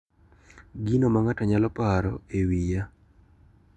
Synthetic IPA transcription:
ɡinomaŋataɲalɔpaɾɔewija

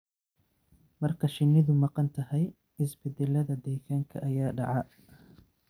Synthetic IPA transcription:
mɐrkʰɐʃɪnːɪðʊmɑqɑnt̪ʰɐhɛj | hɪsbɪd̪ɛlɐðɐd̪ɛːkʰaːŋkʰɐʔɐjaːɖɑʕɑ

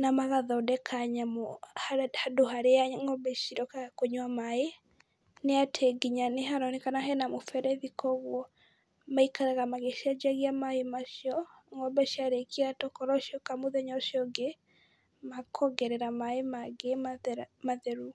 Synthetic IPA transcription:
namaɣaðɔdɛkʰaɲamɔhhadoɦaɾeaŋɔbɛʃiɾɔkakoɲwamae | neatʰɛɡiɲaneɦaɾɔnekanaɦɛnamofɛɾɛðikʰɔɣwɔ | maikaɾaɣamaɣeʃiad͡ʒaɣiamaemaʃiɔŋɔbɛʃiaɾekʰiatɔkɔɾɔʃiɔkamoðɛɲɔʃiɔɡe | makʰɔɡɛɾɛɾamaemaɡemmaðɛɾu

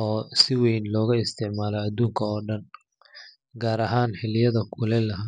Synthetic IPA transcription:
ʔɔːsɪwɛjnlɔːɣɐɪst̪ʰɪʕmaːlɔɐd̪uːŋkʰɐɔːɖɐn | ɡaːɾɐɦaːnħɪlɪjɐðɐkʰʊlɛlɐɦaː

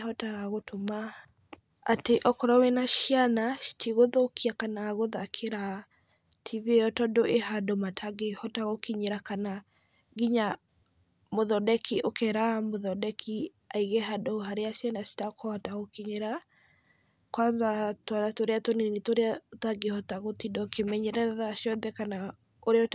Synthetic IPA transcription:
hɔtaɣaɣotoma | ateʔɔkɔɾɔwɛnaʃianḁtʰiɣoðokʰiakanaɣoðakʰeɾa | tʰiβiejɔtɔdoʔeɦadomatʰaɡehɔtaɣokiɲeɾakana | ɡiɲa | moðɔdɛkiʔokɛɾamoðɔdɛkʰi | aiɣeɦadoɦaɾeaʃianaʃi̥takʰɔhɔtaɣokiɲeɾa | kwanðatwanatoɾeatoninitoɾeataɡehɔtaɣotidɔkemɛɲɛɾɛðaʃjɔnðɛkana | oɾeɔt

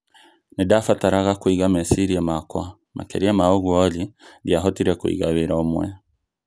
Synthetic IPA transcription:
nidafataɾaɣakwiɣamɛsiɾiamakwa | mʔa̰kɛ̰ɾiamaoɣwɔliɾjaɦɔtiɾɛkwḭɣaβeɾaomwɛ̰

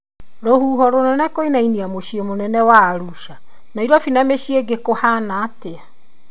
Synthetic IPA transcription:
ɾohuːɦɔɾonɛnɛkoinainiamoɕiemonɛnɛwaːɾuʃa | naiɾɔfinameɕieɡekohanaːtea

